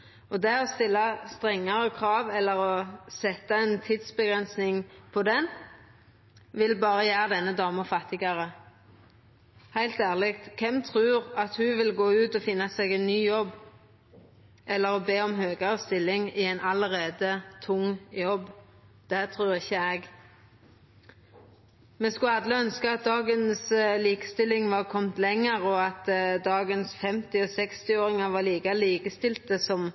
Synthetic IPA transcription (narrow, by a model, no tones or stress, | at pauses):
ɔd̪ɛɔst̪ɪlːɑst̪ʁɛŋːɑɾəkʰʁɑːʋɛlːəɾɔsɛt̪ːɑɛnt̪ʰiːd̪sbəɡʁɛnsnɪŋpʰɔd̪ɛn | ʋɪlbɑːʁəjæːɾd̪ɛnːəd̪ɑːməfɑt̪ːɪɡɑʁə | hæɪlt̪æːʁlɪkt̪kʰɛmt̪ʰʁʉːʁɑt̪hʉʋɪlɡoːʉːt̪ɔfɪnːɑsɛɡɛɪnːyːjɔbː | ʔɛlːəɾɔbeːɔmɦøːɡɑəst̪ɪlːɪŋɪɛɪnɑləʁeːd̪ət̪ʰʊŋjɔbː | d̪̥ɛt̪ʰʁʉːʁɪçːəɛɡ | meːskʉɑd̪lɪœnskəɑt̪̚d̪ɑːɡənsliːkə̥st̪ɪlːɪŋʋɑʁkʰɔmt̪lɛŋːəʁɔɑt̪d̪ɑːɡənsfɛmt̪ɪɔsɛkst̪ɪoːɾɪŋɑʋɑːliːkɑliːkəst̪ɪlt̪əsɔm